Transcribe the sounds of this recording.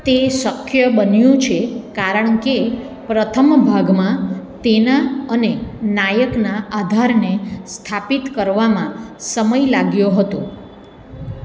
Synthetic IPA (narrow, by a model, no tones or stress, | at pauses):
t̪eʃəkʰjəbənjũt͡ʃʰekaɾəɳke | pɾət̪ʰəmbʱaɡmãt̪enaənenajəknaʔad̪ʱaɾnest̪ʰapit̪kəɾʋamãsəməjlaɡjoɦət̪õ